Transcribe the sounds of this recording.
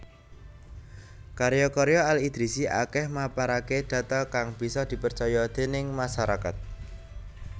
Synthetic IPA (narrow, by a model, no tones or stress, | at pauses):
kaɾjɔkɔɾjɔalid̪̥ɾisiʔa̰kɛhmapaɾaked̪̥ä̤t̪ɔkaŋb̥i̤sɔd̪̥i̤pərt͡ʃɔjɔd̪̥e̤nɪŋmaʃaɾaka̰t̪̚